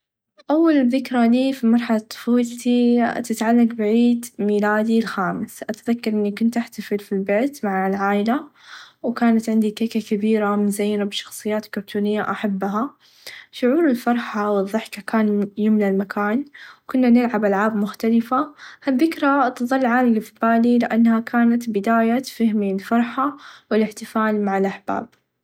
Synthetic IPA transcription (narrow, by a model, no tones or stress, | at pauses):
ʔawːalðɪkɾˤaliːfimɑɾˤħalat̪ˤːʊ̥fuːlt̪it̪ɪt̪ʕalːaɡbɪʕiːd̪miːlaːd̪ilxaːmɪsʔat̪aðakːɑɾˤʔɪnːikʊnt̪ʔaħt̪afɪlfilbeːt̪maʕalʕaːjɪlawkaːnat̪ʕɪnd̪ikakakabiːɾamɪnzajːnabʃɑ̥xsˤɨjːaːt̪kʊɾt̪ʰuːnɪjːaʔaħabːɦa | ʃʊʕuːɾɪlfɑɾˤħawɪðˤːɨħkakaːnjɪmnalmakʰaːnwkʊnːanɪlʕabʔalʕaːbmʊxt̪alɪfahaðːɪkɾat̪ɨðˤɑlːʕaːlɪlɪfbaːlilɪʔanːhakʰaːnat̪bɪd̪aːjafahmilfɑɾˤħawɪlɪħt̪ɪfaːlmaʕɪlʔaħb̥a̰ːb̚